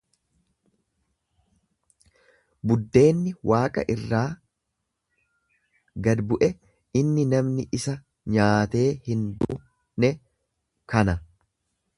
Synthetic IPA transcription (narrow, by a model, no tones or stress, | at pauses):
bʊd̪ːe̞ːnːɪwʔaːkʼɐ̰ʔɪrːaː | ɡɐd̪bʊʔɛ | ɪnːɪnɐmnɪʔɪsɐ | ɲaːt̪e̞ːhɪnd̪uː | nɛ | kɐnɐ